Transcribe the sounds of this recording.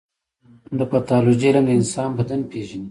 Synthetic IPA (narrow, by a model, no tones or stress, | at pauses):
d̪əpat̪ɑlod͡ʒiɾaŋɡ̪eɪnsɑnbad̪anpeʒani